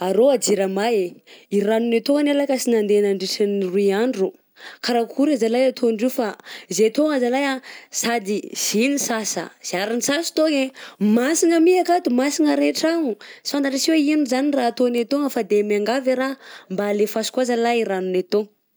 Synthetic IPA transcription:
aɾoad͡ziɾamajeiɾanunet̪oanalakasinand̪enaɳɖ͡ʐiʈ͡ʂaniruiaɳɖ͡ʐu | kaɾakʰuɾazalajat̪ʰoɳɖ͡ʐefaizet̪oŋazalajasad̪iz̥inisasə̰z̥iaɾinisasi̥t̪oŋemasiŋəmiakat̪umasiŋəɾeʈ͡ʂaŋusi̥fand̪aʈ͡ʂasiweinuzaniraːt̪onet̪oŋəfad̪emiaŋɡaviɾambaːlefasi̥kuazalaiɾanunet̪oŋ

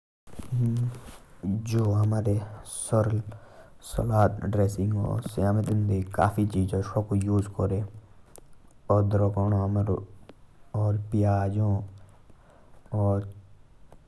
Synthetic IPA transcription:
d͡ʒoːɦɐmaːɾesɔɾlsɔ̰laːt̪ɖɾeːsɪ̃ŋɡɔ̰ːɾsjaːmət̪ɪnd̪ika̰ːfit͡ʃiːd͡ʒoʃoːkojuːzkɔɾe | ɔːɾd̪ɾokoːnõɦɐmɾ | ɔːɾpɪjaːd͡ʒõː | ɔːɾ

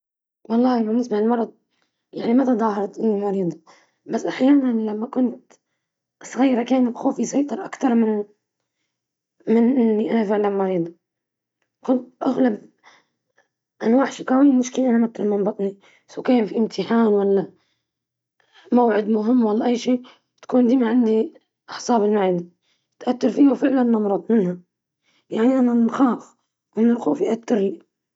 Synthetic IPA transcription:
wɑlˤːɑːhmanɪsmaʕɪlmɑɾˤɑd̪̚ˤ | jaʕnimat̪ad̪ˤɑːhɑɾˤɑt̪ʔɪnːimɑɾiːd̪ˤɑ | basːʔaħjaːnanlamːakʊnt̪ | sˤɣajːɾˤɑkeːnxoːfisˤɑjt̪ˤɑɾˤʔakt̪ɑɾˤmɪn | mɪnʔɪnːiʔanafɪʕlanmɑɾiːd̪ˤɑ | kʊnt̪̚ʔaɣlab̚ | ʔanwaːʕħʃikawiːmɪʃkɪlʔanamat̪ːɾlmɑnbɑt̪ˤni | sakeːmfiʔɪmt̪ʰɪħaːnwalːa | mawʕɪd̪mʊɦɪmːwalːaʔajːʃiː | t̪ḁkuːnd̪iːmaʕɪnd̪i | ʔɑħsˤɑːbɪlmaʕid̪i | t̪ʔat̪ːɑɾfiːawfɪʕlanːɑmɾˤɑd̪ˤmɪnha | jaʕniʔananxaːf | wɪnɪlquːfiʔat̪ːɪɾli

